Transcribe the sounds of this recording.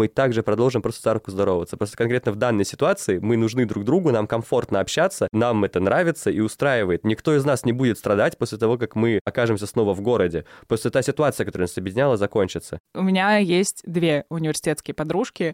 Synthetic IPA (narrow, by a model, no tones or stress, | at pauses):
mɨt̪aɡʐɨpɾɐd̪o̞lˠʐɨmpɾo̞st̪ə̥szaɾʊp̚kʊzd̪ɐɾo̞vəvət̪səpɾost̪əkɐnkɾʲet̪nəvd̪anːəjsʲɪ̥t̪ʊat̪sɨɪmɨnʊʐnɨd̪ɾuɡ̚d̪ɾuɡʊnamkɐɱfo̞rt̪nəɐpɕːat̪sənamɛt̪ənɾʔavʲɪt̪səʔiʊst̪ɾajɪvəjɪt̪nʲɪkt̪o̞ɪznasnʲɪbudʲɪt̪st̪ɾɐd̪atʲpo̞sʲlʲɪt̪ɐvo̞k̬akmɨɐkaʐɨmsʲəsno̞vəvɡo̞ɾədʲɪpo̞sʲlʲɪt̪asʲɪt̪ʊat̪sɨəkɐt̪oɾɛnasɐbjɪdʲɪnʲalˠəzɐko̞nʲt͡ɕɪt̪səʊmʲɪnʲajesʲtʲd̪vʲeʊnʲɪvʲɪrsʲɪ̥tʲet̪skʲɪjəpɐd̪ɾuʂkʲɪ